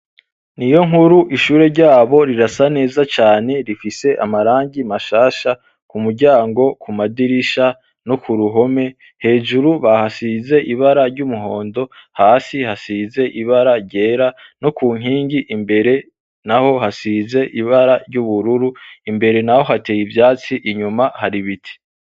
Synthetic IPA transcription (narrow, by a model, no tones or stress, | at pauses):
nijo̞ŋhuɾuʔiʃuːɾe̞ɾɟaːβo̞ɾiɾasane̞ːzat͡ʃaːne̞ɾifise̞ʔa̰maɾaːŋɟimaʃaːʃa | kumuɾɟaːŋɡo̞kʰumadiɾiʃa | no̞kʰuɾuɦo̞me̞ | he̞ːʒuɾuβahasize̞ʔiβaɾaɾɟumuɦo̞ːndo̞haːsihasiːze̞ʔiβaɾaɾɟe̞ːɾano̞kuːŋ̥iːŋɡiʔimbe̞ɾe̞ | naho̞hasize̞ʔiβaɾaɾɟuβuɾuɾuimbe̞ɾe̞naho̞ɦate̞ːjibjaːt͡siʔiɲumahaɾiβitʰi̥